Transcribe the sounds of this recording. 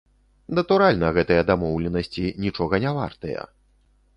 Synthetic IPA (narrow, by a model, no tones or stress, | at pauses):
nɐt̪uɾalʲnɐɣɛt̪ɨjɐd̪amɔwlʲɛnɐsʲt͡sʲinʲit͡ʂɔɣɐnʲava̰rt̪ɐjɐ̰